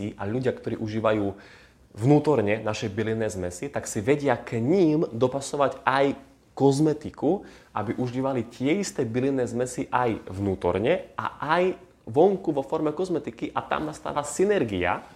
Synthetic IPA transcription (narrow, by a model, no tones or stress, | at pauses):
iʔaʎuɟɪakt̪ɔɾiːʔuʒiːʋajuː | ʋnuːt̪ɔɾɲɛnaʃɛbilinːɛːzmɛsit̪aksiʋɛɟɪakɲiːmd̪ɔpasɔʋaɟʔaj | kɔzmɛt̪ikuʔabiʔuʒiːʋalit̪ɪɛist̪ɛːbilinːɛːzmɛsiʔajʋnuːt̪ɔ̰ɾɲɛʔa̰ʔaj | ʋɔŋkuʋɔfɔɾmɛkɔzmɛt̪ikiʔat̪a̰mnast̪a̰ːʋasinɛɾɡia̰